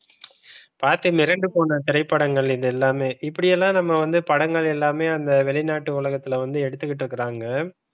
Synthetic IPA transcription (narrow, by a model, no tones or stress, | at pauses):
paːɾt̪imɪɾɐɳɖɯpoːnɐt̪ɪɾɐɪpːɐɽɐŋɡɐɭɪðɯɛlːaːmeːʔɪpːɐɽɪjɛlːãːnɐmːɐʋɐnd̪ɯpɐɽɐŋɡɐɭɛlːaːmeːɐnd̪ɐʋɛɭɪnaːʈːɯʊɭɐɣɐt̪ːɪlɐʋɐnd̪ɯɛɽɯt̪ːɯkːɪʈ̬ːɪɾɯkːɪɾaːŋɡɐ